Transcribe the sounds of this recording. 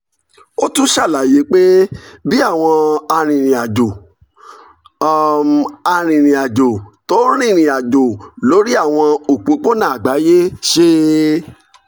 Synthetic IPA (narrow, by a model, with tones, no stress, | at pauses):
o˦tũ˦ʃa˦˨la˨je˨˦k͡pe˦bi˦a˦˨w̃ɔ̃˧a˧ɾ̃ĩ˨ɾ̃ĩ˨a˨d͡ʒo˨ | m˨a˧ɾ̃ĩ˨ɾ̃ĩ˨a˨d͡ʒo˨to˨˦ɾ̃ĩ˦˨ĩ˨a˨d͡ʒo˨lo˨˦ɾi˦a˦˨w̃ɔ̃˧o˨k͡po˨˦k͡po˦nã˦a˨ɡ͡ba˨˦je˦ʃe˦